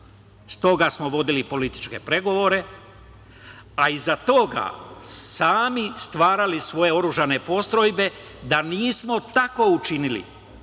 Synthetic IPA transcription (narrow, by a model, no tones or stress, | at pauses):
st̪o̞ɡasmoʋo̞d̪ilipo̞lit̪i̥t͡ʃke̞pɾe̞ɡo̞ʋo̞ɾe̞ | aizat̪o̞ɡa̰saːmist̪ʋaːɾalisʋo̞je̞o̞ɾuʒane̞po̞st̪ɾo̞jbe̞ | d̪aniːsmo̞t̪ako̞ut͡ʃinilḭ